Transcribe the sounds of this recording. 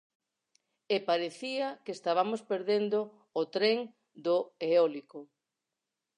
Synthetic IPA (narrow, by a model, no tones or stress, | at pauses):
epaɾeθiakest̪aβamospeɾðend̪oː | t̪ɾeŋ | d̪oeɔliko